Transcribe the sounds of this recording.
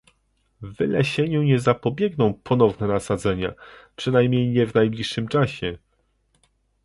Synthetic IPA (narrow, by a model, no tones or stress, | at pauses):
vɘlɛɕɛɲuɲɛzapɔbʲjɛɡnɔ̃w̃pʰɔnɔvnɛnasad̪zɛɲa̰pʂɘnajmɲejɲɛvnajblʲiʂːɘmt͡ʂaɕɛ